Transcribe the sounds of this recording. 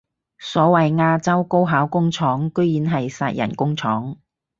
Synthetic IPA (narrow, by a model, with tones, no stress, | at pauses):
sɔː˨˥wɐ˨jŋaː˧t͡sɐ˥wko˥wɦaː˨˥wkʊ˥ŋt͡ʃʰɔː˨˥ŋkɵ˥ɥjiː˨˥nɦɐ˨jsaː˧t̚jɐ̰˨˩nkʊ˥ŋt͡sʰɔː˨˥ŋ